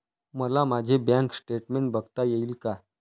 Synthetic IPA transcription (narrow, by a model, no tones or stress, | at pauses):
məlamad͡ʑʱebjãŋksʈeʈmeɳʈbəɡt̪ajeiːlka